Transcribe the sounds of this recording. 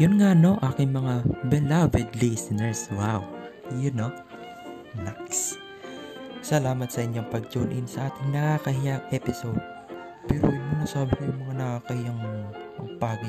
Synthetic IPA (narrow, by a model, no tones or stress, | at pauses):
jʊnŋano̞ʔaːkɪŋmɐŋabɪlavɪd̪lɛjsɪnɛɹswawjʊno | naks | sɐlaːmɐt̪sɐʔɪɲɲoŋpɐɡ̚d͡ʒoːnʔɪnsɐʔaːt̪ɪŋnɐkaːkɐɦɪjaŋʔɛːpɪsowd̪̚ | pɛːɾo̰jmunɐsaːbɪkojʊŋmɐŋanɐkaːkɐhɪjaŋʔɐŋpaːɡɪ